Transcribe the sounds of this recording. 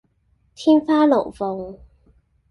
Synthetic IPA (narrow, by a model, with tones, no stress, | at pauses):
t̪ʰiː˥nfaː˥lo˨˩wfo˨˩ŋ